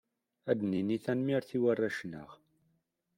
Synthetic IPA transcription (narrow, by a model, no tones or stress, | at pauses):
æd̪niniθænmiɾθiwarˤːaʃnə̰ʁ